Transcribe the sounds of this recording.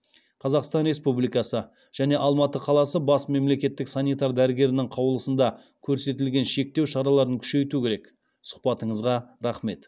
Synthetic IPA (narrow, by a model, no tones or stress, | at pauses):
qʰɑzɑqst̪ɑnɾe̞spublijkɑsə | ʒ̥æne̞ʔɑlˠmɑt̪əqʰɑlˠɑsəbɑsme̞mle̞kʲe̞t̪ːɪksanijt̪ɑɾd̪æɾɪɡʲe̞ɾɪnɪŋqʰɑwlˠəsənd̪ɑ | kʲʰɵɾse̞t̪̬ɪlɡʲe̞nʃe̞k̚t̪e̞wʃɑɾɑlˠɑɾəŋkʲʰʏ̥ʃe̞jt̪ukʲʰe̞ɾe̞k | sʊ̥χpɑt̪əɴəzʁɑɾɑχme̞t̪